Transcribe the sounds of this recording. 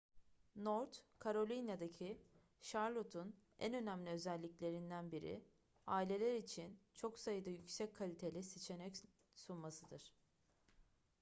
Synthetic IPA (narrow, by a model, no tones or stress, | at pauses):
noɾt̪kʰaɾo̞lʲinjad̪acʰi | ʃaɾlˠot̪ʰun | æ̰nø̞næmlʲiø̞zælʲːiclʲe̞ɾind̪ænbiɾḭ | aːilʲe̞lʲæɾit͡ʃʰint͡ʃʰo̞ksajɯd̪ajycsɛckʰːalʲit̪ʰe̞lʲisit͡ʃʰe̞nɛc | sunmasɯd̪ɯɾ̥